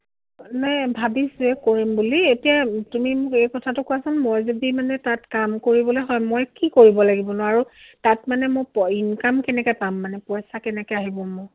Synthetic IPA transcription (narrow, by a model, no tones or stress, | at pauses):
najbʱabisuɛkoɹimbulietijatumimʊkejkɔtʰatʊkɔasɔnmojzodimanɛtatkamkoɹibɔlojɦɔjmojkikoɹibɔlaɡibɔnʊaaɹutatmanɛmopɔinkamkɛnɛkɛpamːanɛpɔjsakɛnɛkɛaɦibɔmɔj